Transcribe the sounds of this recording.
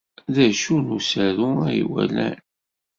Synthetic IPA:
ðæʃunusəɾuæjḭwælæ̰n

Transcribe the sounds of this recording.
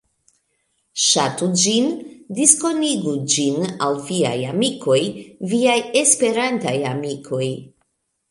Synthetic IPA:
ʃatud͡ʒindisko̞niɡud͡ʒinawvia̰jamikʰo̞jviaje̞spe̞ɾantajamikʰo̞j

